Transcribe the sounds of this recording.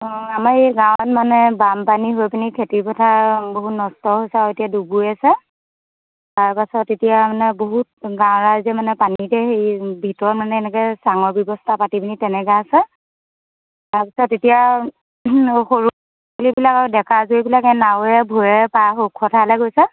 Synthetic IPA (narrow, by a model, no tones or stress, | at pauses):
amaɹeɡawtmanɛbampaniɦojpinikʰetipɔtʰaboɦutnɔstɔɦojsɛaetijaduɡujasɛ | taɹpasɔtːetijamanɛboɦut̚ɡãwɹazɛmanɛpanitɛxejbʱitɔɹɔtmanɛːnɛkɛsaŋɔɹbjɔbɔstʰapatipinitɛnɛɡaasɛ | taɹpḁsɔtːetija | xoɹu | kolibilakaɹʊdɛkazojbilakɛnawɛbʱuɹɛpaxokʰːɔtʰalɛɡojsɛ